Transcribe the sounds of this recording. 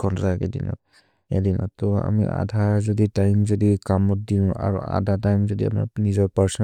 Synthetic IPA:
kʰɔntɔakɛdḭnɔ̰t | adinɔ̰tɔa̰mḭʔa̰dʱazɔditajmzɔdikamɔt̚dinʊ̃a̰ɹṵa̰dʱatajmzɔdia̰pna̰nizɔɹpaɹsɔn

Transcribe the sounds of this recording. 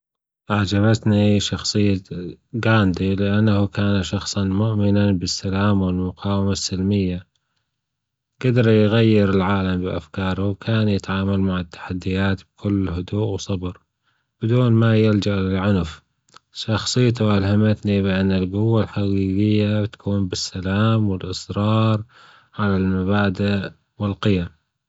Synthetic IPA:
ʔaʕd͡ʒaβat̪niʃɑxsˤɨjːaɡaːnd̪ilɪʔanːahukaːnaʃɑxsˤɑnmʊʔmɪnanbɪsːalaːmwɪlmʊqɑːwɪmasːɪlmɪjːa | ɡ̥ad̪ɑɾjɣajːɪɾɪlʕaːlambɪʔa̰fkɑːɾˤawkʰaːnjɪt̪ʕaːmalmaʕɪt̪ːḁħad̪ːɪjaːt̪b̥̚kʰʊlːɦʊd̪uːʔwsˤɑbɾ | b̥ɪd̪uːnmajɪld͡ʒaʔlɪlʕʊnf | ʃɑxsˤɨjt̪̬ʊʔalhamɪt̪niβɪʔanːɪlɡʊwːalħaɡiːɡɪjːat̪ḁkʰuːnbɪsːalaːmwɪlʔɨsˤɾɑːɾˤ | ʕalalmaβaːd̪ɪʔ | wɪlqɪjam

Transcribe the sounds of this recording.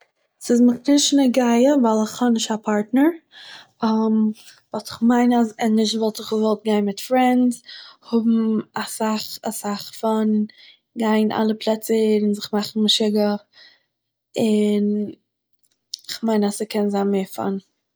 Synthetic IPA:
sɪzməχnɪnʃnəɡaɪəvalˠɪχhɔnɪʃtapʰaɾtnəɹ | amvɔlˠtɪ̥χmaɪnazɪnːɪʃtvɔlˠtɪχvɔlˠt̚ɡaɪnmɪtfɾɛndhʊbm̩asaχasaχfan | ɡaɪnʔa̰lˠəpʰlˠɛt͡səɪnzɪχmaχn̩mɪʃɪɡə | ɪn | ɪχmaɪnasəkʰɛnzaɪnmeːfa̰n

